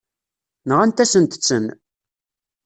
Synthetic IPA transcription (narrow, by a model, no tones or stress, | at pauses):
nʁænt̪æsənt̪ə̥t͡sːən